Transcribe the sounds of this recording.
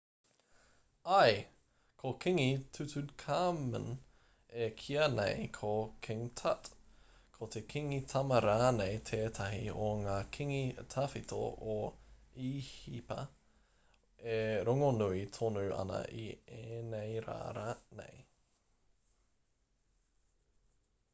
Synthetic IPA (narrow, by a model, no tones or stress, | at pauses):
ɐj | kʰokʰiŋit̪ʰʉt̪ʉkʰamə̰n | ekʰiɐnḛjkʰokʰɛŋt̪ʰɐ̰tkʰot̪ʰekʰiŋit̪ʰɐmɐɾaːnejt̪ʰeːt̪ʰɐɦioŋaːkʰiŋit̪ʰɐfit̪ʰo̰ʔoihipɐ̰ | eɾoŋonuit̪ʰonuʔɐ̰nɐ̰ʔieːnejɾa̰ːɾanḛj